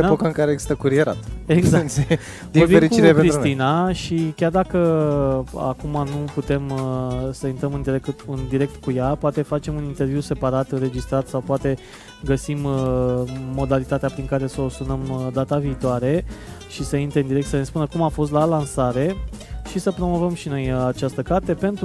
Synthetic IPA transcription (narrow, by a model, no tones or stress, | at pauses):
epokəɨŋkaɾeeɡz̥i̥st̪əkuɾieɾa̰t̪eɡzans | d̪iubieɾit͡ʃkuiɾepenɾisɾuninaʃikʲard̪akə | a̰kumanuput̪e̞msəint̪ɾəmɨnd̪iɾek̪ɨnd̪iɾe̞k̚t̪kujapoat̪e̞fat͡ʃe̞munint̪e̞rvjuse̞paɾat̪ɨnɾe̞d͡ʒist̪ɾat̪sawpoat̪e̞ | ɡəsimː | o̞d̪alit̪at̪eapɾiŋkaɾe̞səosunəmd̪at̪aviːt̪oaɾe̞ʃisəint̪ɾeɨnd̪iɾe̞k̚t̪səne̞spunəkumafo̞s̬t̪lalansaɾe̞ʃisəpɾo̞mo̞vəmʃino̞jat͡ʃast̪əkart̪e̞pe̞nt̪ɾ